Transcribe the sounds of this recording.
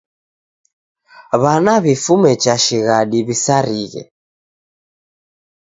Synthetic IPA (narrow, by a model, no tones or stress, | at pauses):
βanaβifumɛt͡ʃaʃiɣaɗiβisaɾiɣɛ̰